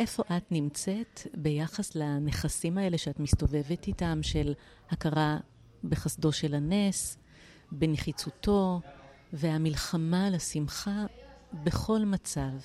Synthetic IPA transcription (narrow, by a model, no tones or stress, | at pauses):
ʔe̞fo̞ʔatnimt͡se̞tbe̞jaχaslane̞χasimae̞le̞ʃeatmistove̞vetitamʃe̞l | hakaʁa | beχasdo̞ʃe̞lanes | beneχit͡suto̞ | veamilχamalasimχabe̞χo̞lmat͡sav